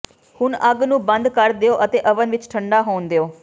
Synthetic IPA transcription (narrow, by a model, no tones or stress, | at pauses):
hʊnəɡnũːbə̃nd̪kəɾd̪eoːʔət̪eːʔəʋənʋɪt͡ʃʈʰəɳɖaːɦoːnd̪eoː